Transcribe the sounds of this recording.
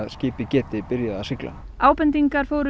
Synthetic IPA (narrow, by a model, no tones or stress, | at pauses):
ðscɪːpɪcɛːt̪ɪpɪɾjaasɪkla̰n | aːwpɛnt̪iŋkaɾ̥foːwɾʏ